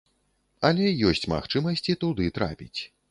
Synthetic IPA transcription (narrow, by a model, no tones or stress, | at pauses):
ɐlʲɛjɔsʲt͡sʲma̰xt͡ʂɨmɐsʲt͡sʲit̪ud̪ɨt̪ɾa̰pʲit͡sʲ